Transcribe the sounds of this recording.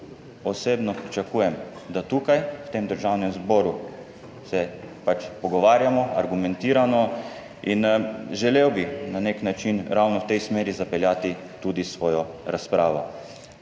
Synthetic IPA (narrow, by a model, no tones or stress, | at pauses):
ɔseːbnɔpɾit͡ʃakuːjɛmd̪at̪uːkajwt̪eːmd̪əɾʒawnɛmzbɔːɾu | sɛpat͡ʃpɔɡɔʋaːɾjamɔaɾɡumɛnt̪iːɾanɔ | inʒɛlewbinaneknat͡ʃinɾawnɔwt̪ɛjsmeːɾizapɛljaːt̪i | t̪ud̪isʋɔːjɔɾaspɾaːʋɔ̰